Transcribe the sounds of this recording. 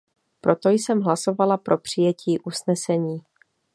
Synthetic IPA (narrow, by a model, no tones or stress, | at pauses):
pɾo̞t̪o̞jsɛmɦlaso̞valapɾo̞pr̝̥ɪjɛciːʔusnɛsɛɲiː